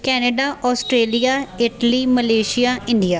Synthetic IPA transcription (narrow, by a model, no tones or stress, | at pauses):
kɛːneɖaːʔɔːsʈɾeːlijaːɪʈliːməleːʃɪjaːɪ̃ɳɖijaː